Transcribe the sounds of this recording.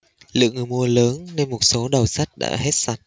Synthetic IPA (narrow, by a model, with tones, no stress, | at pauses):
lɨ̰˧˨əŋɨ˨˩mu˧ələː˨˦nːe˧nmo˨˩t̚so˨˦ɗə˨˩wsa˦˥t̚ɗa̰ː˧˥he˦˥t̚sa˨˩t̚